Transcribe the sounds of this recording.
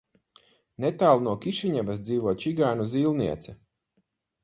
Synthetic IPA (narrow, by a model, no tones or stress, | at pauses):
net̪aːlˠnuɔkʲiʃiɲɛvasd̪ziːvuɔt͡ʃiɡaːnuziːlˠniɛt̪sɛ